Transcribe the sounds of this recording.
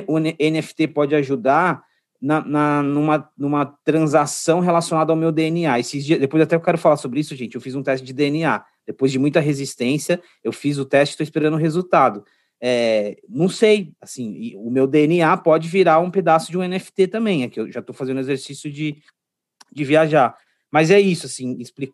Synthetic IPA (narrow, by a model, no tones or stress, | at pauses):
ʊeẽnɪɛfɪ̥t̪epɔd͡ʒɪaʒud̪aɾ | nɐnɐnũmɐnũmɐt̪ɾɐ̃zasɐ̃w̃ɦelasijonad̪ɐawmewd̪eeniaesɪzd͡ʒiɐzd̪epojzat̪ɛewkɛɾʊfalaɾsobɾɪisʊʒẽnt͡ʃɪewfizũt̪ɛst͡ʃɪd͡ʒɪd̪eenia | d̪̥epojzd͡ʒɪmũj̃t̪ɐɦezist̪ẽsjɐ | ewfizʊt̪ɛst͡ʃɪ̥t̪oispeɾɐ̃nʊɦezut̪ad̪ʊ | ɛnɐ̃w̃sejasĩɪʊmewd̪eeniapɔd͡ʒɪviɾaɾũped̪asʊd͡ʒɪũẽnɛfɪ̥t̪et̪ɐ̃mbẽj̃ɛkɪewʒat̪owfazẽnd̪ʊezeɾsisjʊd͡ʒɪ | d͡ʒɪviaʒaɾ | mɐzɛisʊasĩɪsplikʊ